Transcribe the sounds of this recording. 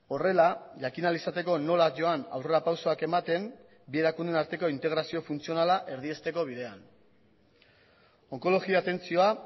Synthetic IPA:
o̞re̞laʝakinalisat̪e̞ko̞no̞laʝo̞ana̰wre̞ɾapawso̞ake̞mat̪e̞m | bie̞ɾakund̪e̞naɾt̪e̞ko̞int̪e̞ɣɾasio̞funt͡sio̞nalaʔe̞ɾðie̞st̪e̞ko̞β̞iðe̞an | o̞ŋko̞lo̞ɣiaat̪e̞nt͡sio̞a

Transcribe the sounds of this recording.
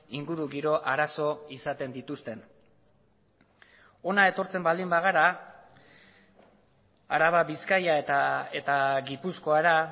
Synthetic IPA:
iŋɡuɾuɣiɾo̞ʔaɾaso̞isat̪e̞nd̪it̪ust̪e̞n | o̞nae̞t̪o̞ɾt͡se̞mbald̪imbaɣ̞aɾa | aɾaβaβiskajaet̪aet̪aɣipusko̞aɾa

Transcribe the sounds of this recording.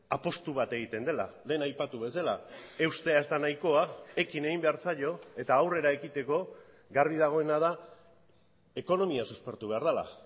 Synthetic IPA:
apo̞st̪uβat̪e̞ɣ̞it̪e̞nd̪e̞la̰le̞ːnajpat̪uβe̞salae̞wst̪e̞aezt̪anajko̞ae̞kine̞ɣimbe̞aɾt͡saʎo̞e̞t̪aːwre̞ɾae̞kit̪e̞ko̞ | ɡaɾβiðaɣ̞o̞e̞naða | e̞ko̞no̞miasuspe̞ɾt̪uβe̞aɾð̞ala̰

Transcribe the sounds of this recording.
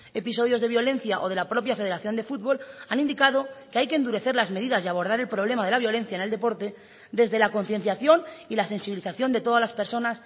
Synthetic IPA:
e̞pis̬o̞ðjo̞zðeβjo̞le̞nθjaʔo̞ð̞e̞lapɾo̞pjafe̞ð̞e̞ɾaθjo̞nd̪e̞fut̪̚βo̞lanind̪ikaðo̞keajkeːnd̪uɾe̞θe̞ɾlazme̞ðiðazðeaβo̞ɾð̞aɾe̞lpɾo̞β̞le̞maðe̞laβjo̞le̞n̟θjaene̞ld̪e̞po̞ɾt̪e̞ | ðe̞zðe̞lako̞n̟θje̞n̟θjaθjo̞nilase̞nsiβiliθaθjo̞nd̪e̞t̪o̞ðalaspe̞ɾso̞nas

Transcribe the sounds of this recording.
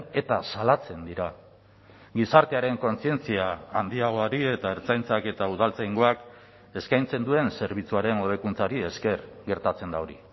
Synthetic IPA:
e̞t̪asalat͡se̞nd̪iɾa | ɡisaɾt̪e̞aɾe̞ŋko̞nsie̞nt͡siaːnd̪iaɣ̞oaɾie̞t̪aeɾt͡sajnt͡sake̞t̪auð̞alt͡sajŋɡo̞ak | e̞skajnt͡se̞nd̪ue̞nse̞ɾβ̞it͡suaɾe̞no̞ðekunt͡saɾie̞ske̞ɾɡe̞ɾt̪at͡se̞nd̪ao̞ɾḭ

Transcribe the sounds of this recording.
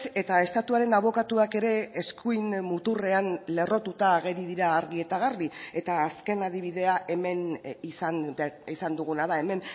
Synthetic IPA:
e̞t̪ae̞st̪at̪uaɾe̞naβ̞o̞kat̪uake̞ɾe̞ːskujnmut̪ure̞anle̞ro̞t̪ut̪aːɣe̞ɾiðiɾaːɾɣie̞t̪aɣarie̞t̪aːske̞nað̞iβ̞iðe̞aʔe̞me̞nis | isand̪uɣunaðaeme̞n

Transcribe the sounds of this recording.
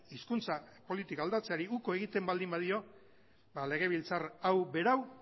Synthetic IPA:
iskunt͡sapo̞lit̪ikald̪at͡se̞aɾiuko̞e̞ɣ̞it̪e̞mbald̪imbaðio̞ | bale̞ɣ̞e̞β̞ilt͡sarawbe̞ɾaw

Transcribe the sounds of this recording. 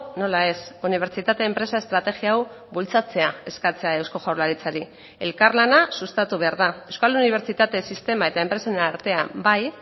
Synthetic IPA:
no̞lae̞suniβ̞e̞ɾt͡ʃit̪at̪e̞ːmpɾe̞sae̞st̪ɾat̪e̞ɣiaw | bult͡sat͡se̞ae̞skat͡se̞ae̞wsko̞ʝawɾlaɾit͡saɾi | e̞̰lkaɾlanasust̪at̪uβe̞aɾðaewskaluniβ̞e̞ɾt͡ʃit̪at̪e̞sist̪e̞mae̞t̪ae̞mpɾe̞senaɾt̪e̞a̰baj

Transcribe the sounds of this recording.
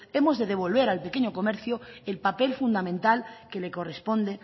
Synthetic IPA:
e̞mo̞zðe̞ðe̞β̞olβe̞ɾalpe̞ke̞ɲoko̞meɾθjoelpape̞lfund̪amẽnt̪alke̞le̞ko̞re̞spõ̞nd̪e̞

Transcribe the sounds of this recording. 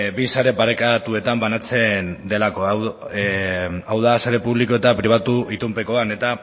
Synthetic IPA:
bisaɾe̞paɾe̞kat̪ue̞t̪ambanat͡se̞nd̪e̞lako̞ | awðasaɾe̞puβlikoe̞t̪apɾiβ̞at̪uʔit̪umpeko̞ane̞t̪a

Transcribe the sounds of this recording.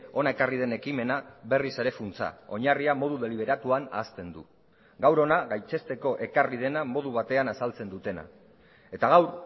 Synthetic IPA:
o̞nae̞karið̞e̞ne̞kime̞naβe̞rise̞ɾe̞funt͡sa̰o̞ɲariamo̞ð̞uðe̞liβe̞ɾat̪uana̰ːst̪e̞nd̪u | ɡawɾo̞naɣajt͡se̞st̪e̞ko̞ʔe̞karið̞e̞namo̞ð̞uβ̞at̪e̞anasalt͡se̞nd̪ut̪e̞na̰ | e̞t̪aɣawɾ

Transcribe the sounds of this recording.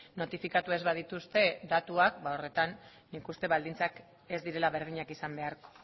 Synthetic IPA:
no̞t̪ifikat̪ue̞zβað̞it̪ust̪e̞d̪at̪uakbaore̞t̪anː | ikust̪e̞βald̪int͡sak | e̞zd̪iɾe̞laβe̞ɾð̞iɲakisambe̞aɾko̞̥

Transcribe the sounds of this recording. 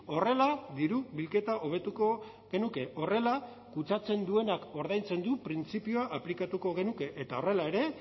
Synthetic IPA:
o̞re̞laðiɾuβilke̞t̪aʔo̞β̞e̞t̪uko̞ | ɣe̞nuke̞ʔo̞re̞la | kut͡sat͡se̞nd̪ue̞nako̞ɾð̞ajnt͡se̞nd̪upɾint͡sipioaʔːplikat̪uko̞ɣ̞e̞nuke̞ʔet̪ao̞re̞lae̞ɾe̞

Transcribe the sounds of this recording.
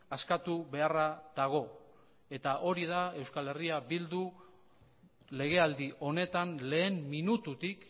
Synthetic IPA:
askat̪uβe̞araðaɣ̞o̞ | e̞t̪aʔo̞ɾiðae̞wskale̞riabild̪u | le̞ɣ̞e̞ald̪iʔo̞ne̞t̪anle̞ːmminut̪ut̪ik

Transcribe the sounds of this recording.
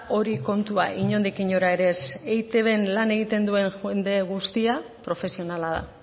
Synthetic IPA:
o̞ɾiko̞nt̪uaʔiɲo̞nd̪ikiɲo̞ɾae̞ɾe̞sejt̪e̞βe̞nlane̞ɣ̞it̪e̞nd̪ue̞ŋxund̪e̞ɣust̪iapɾo̞fe̞sio̞nalaða̰

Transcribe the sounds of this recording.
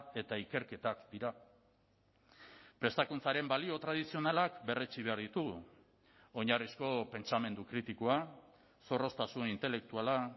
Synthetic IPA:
e̞t̪aike̞ɾke̞t̪akd̪iɾa | pɾe̞st̪akunt͡saɾe̞mbalio̞t̪ɾað̞isio̞nalakbe̞re̞t͡siβ̞e̞aɾðit̪uɣu | o̞ɲarisko̞pe̞nt͡same̞nd̪ukɾit̪ikoa | so̞ro̞st̪asunint̪e̞le̞k̚t̪uala

